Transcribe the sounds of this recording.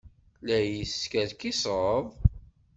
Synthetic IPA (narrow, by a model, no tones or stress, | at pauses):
læjiskæðkisʁˤəðˤ